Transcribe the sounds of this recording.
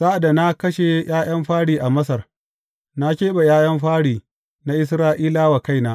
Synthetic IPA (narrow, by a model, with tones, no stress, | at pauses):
zaː˦ʔa˨da˨na˦kɐ˦ʃe˨˦j̰ʔaː˦j̰ɐ˦mɸaː˦ɽiː˨ʔa˨mɐ˦sɐ˨r | na˦kʲeː˦ɓa˨jaː˦jɐ˦mɸaː˦ɽiː˨ | na˦ʔɪ˦s̬ɾaː˦ʔiː˦laː˦wa˨ka˦˨jnaː˦ʔ